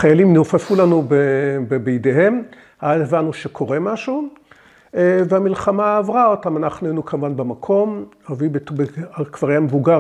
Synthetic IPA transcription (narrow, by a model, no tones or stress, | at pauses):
χajalimnufefulanubebebeideɦe̞m | haaevanuʃekʰo̞ʁemaʃu | veamilχamaːvʁaotamanaχnuenukʰamvanbemakʰo̞m | ovibetbekv̥aʁjamevuɡa